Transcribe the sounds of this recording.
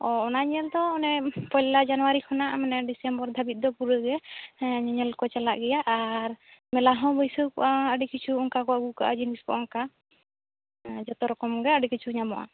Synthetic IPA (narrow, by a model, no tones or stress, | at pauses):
ɔɔnaɲɛld̪ɔːnɛpɔjllad͡ʒanuwaɾikʰɔnaʔmɛnɛɖisɛmbɔɾd̪ʱabit̪̚d̪ɔpuɾəɡɛɲɛɲɛlkɔt͡ʃalaʔɡɛjaʔaɾmɛlaɦɔ̃bɔjsɔkɔ̰ʔaəɖikit͡ʃʰuɔŋkakɔaɡukaʔa̰d͡ʒiniskɔʔɔŋka | d͡ʒɔt̪ɔɾɔkɔmɡɛəɖikit͡ʃʰuɲamɔ̰ʔa̰